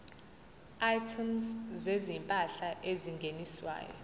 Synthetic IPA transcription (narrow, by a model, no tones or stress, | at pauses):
ajtʰimszezimpʼaɬaʔeziŋɡʱeniswa̰ːjɔ̰